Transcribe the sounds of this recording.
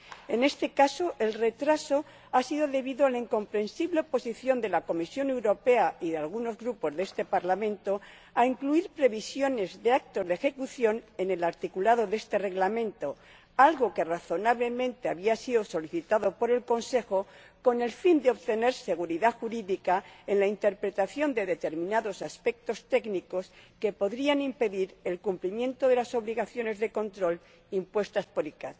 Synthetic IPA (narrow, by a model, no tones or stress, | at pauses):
e̞ne̞st̪e̞kaso̞ʔe̞lre̞t̪ɾaso̞ | asiðoðe̞βiðoalaiŋko̞mpɾe̞nsiβle̞opo̞siθjo̞nd̪e̞lako̞misjo̞ne̞wɾo̞pe̞aiðealɣ̞uno̞zɣɾupo̞zðee̞st̪e̞paɾlamẽ̞nt̪o̞ | aiŋkluiɾpɾe̞βisjo̞ne̞zðe̞ak̚t̪o̞zðexe̞kuθjo̞ne̞ne̞laɾt̪ikulaðo̞ðe̞st̪e̞re̞ɣlamẽ̞nt̪o̞ | alɣo̞ke̞raθo̞naβle̞mẽnt̪e̞aβiasiðo̞so̞liθit̪aðo̞po̞ɾe̞lko̞nse̞xo | ko̞ne̞lfind̪eo̞βt̪e̞ne̞ɾse̞ɣ̞uɾiðaxuɾiðikaenlaint̪e̞ɾpɾe̞t̪aθjo̞nd̪e̞ðe̞t̪e̞ɾmĩnaðo̞saspe̞k̚t̪o̞st̪e̞ɡniko̞ske̞po̞ðɾianimpe̞ðiɾe̞lkumplimjẽ̞nt̪oðe̞laso̞βliɣaθjo̞ne̞zðe̞ko̞nt̪ɾo̞l | impwe̞st̪aspo̞ɾikat̪